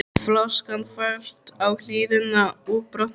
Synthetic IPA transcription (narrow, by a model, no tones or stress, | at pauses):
flɔskanfaɾ̥t̪awl̥iːðʏnːauːpɾɔt̪n